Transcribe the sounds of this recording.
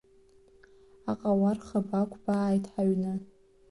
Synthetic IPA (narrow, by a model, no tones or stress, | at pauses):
aqʼawarχabakʷʰʼbaːjtʰʼħaɥnɨ